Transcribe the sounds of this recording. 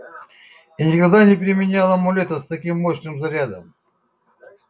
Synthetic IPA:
inʲɪkɐɡd̪anʲɪpʲɪɾʲɪmʲɪnʲalˠəmʊlʲet̪əst̪ɐkʲimːoɕnɨmzɐɾʲad̪ə̰m

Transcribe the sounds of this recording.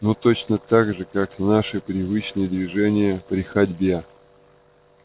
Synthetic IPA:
not̪ot͡ɕnət̪aɡʐɨkaknaʂɨpɾʲɪvɨt͡ɕnɨjəd̪vʲɪʐɛnʲɪjəpɾʲɪxɐdʲbʲe

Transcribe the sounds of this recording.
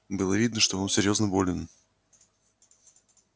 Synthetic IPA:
bɨlˠəvʲid̪nəʂt̪oonsʲɪɾʲjo̞znəbo̞lʲɪn

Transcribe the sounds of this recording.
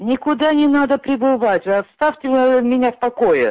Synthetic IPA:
nʲɪkʊd̪anʲɪnad̪əpɾʲɪbɨvatʲɐt̪st̪afʲtʲɪmʲɪnʲafpɐkojɪ

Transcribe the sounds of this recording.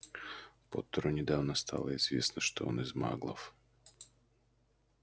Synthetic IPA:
pɔt̪ːɔɾɔnʲɪd̪awnɐst̪ʰa̰lˠɐɪzvʲḛsnɐʃt̪ɔɔ̰nɪzma̰ɡlˠɐ̰f

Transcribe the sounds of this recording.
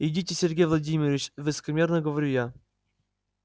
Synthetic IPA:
ɪdʲitʲɪsʲɪrʲɡʲejvlˠɐdʲimʲɪɾʲɪt͡ɕvɨsə̥kəmʲernəɡəvɐɾʲuja

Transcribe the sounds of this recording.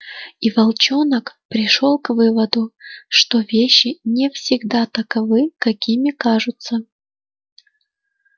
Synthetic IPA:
ivɐlˠt͡ɕonəkpɾʲɪʂo̞lˠkvɨvəd̪ʊʂt̪o̞vʲeɕːɪnʲɪfsʲɪɡd̪at̪əkɐvɨkɐkʲimʲɪkaʐʊt̪sə

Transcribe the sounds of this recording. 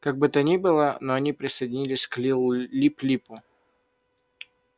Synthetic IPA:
kaɡ̚bɨt̪ənʲibɨlˠənoɐnʲipɾʲɪsəjdʲɪnʲilʲɪsʲklʲilˠlʲiplʲipʊ

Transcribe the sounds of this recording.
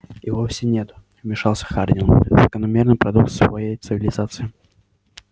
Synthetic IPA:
ɪvofsʲɪnʲet̪ʊ̥ | mʲɪʂalˠsʲə̥xard̪ʲɪnz̥əkənɐmʲernɨjpɾɐd̪uk̚t̪svɐ̰jejt̪sɨvʲɪlʲɪzat̪sɨjɪ

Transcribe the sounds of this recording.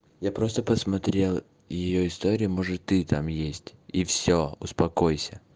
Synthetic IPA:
japɾo̞st̪əpəsmɐt̪ɾʲe̞lˠ | jɪjoɪst̪o̞ɾʲɪjɪmoʐɨt̪ːɨt̪amjesʲtʲifsʲoʊspɐkojsʲə

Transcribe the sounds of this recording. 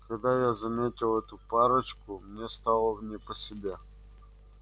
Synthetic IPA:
kɐɡd̪ajazɐmɛt̪ʲilˠɛt̪ʊpaɾət͡ʃkʊmnʲɛst̪alˠəvnʲɛposɛbʲa

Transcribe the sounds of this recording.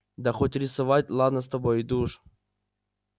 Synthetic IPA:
d̪axotʲɾʲɪsɨvatʲlˠad̪nəs̬t̪ɐbojid̪uʂ

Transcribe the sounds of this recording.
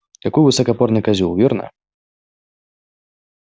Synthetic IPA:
t̪akujvɨsɐkapɔrnɨkazʲulˠvʲiɾrnɐ̰

